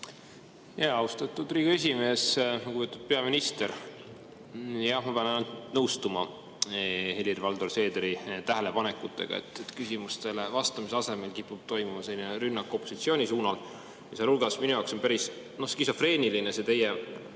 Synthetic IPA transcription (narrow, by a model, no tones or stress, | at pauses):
jeɑwst̪ɑt̪ːˑud̪riːɡ̥oe̞s̬ʲime̞ːsnɑkupet̪ud̪̥̚pe̞ɑminist̪e̞ɾ | jɑmɑpeɑnɑnult̪nɤwst̪umɑ | helʲirvɑld̪o̞rse̞ːd̪eɾit̪æɦele̞pɑne̞kːˑut̪ːˑe̞̰ɡ̥ɑ̰ḛt̪ːˑet̪kysimust̪e̞levɑst̪ɑmis̬eɑse̞me̞lkipːˑub̥̚t̪o̞jmumɑse̞lʲːineɾynːɑkːˑo̞pːˑo̞sit̪sio̞ːnʲisuːnɑl | jɑsɑlulɡ̥ɑsminujɑˑwkso̞npæɾis | no̞skiso̞fre̞ːnilinese̞t̪e̞je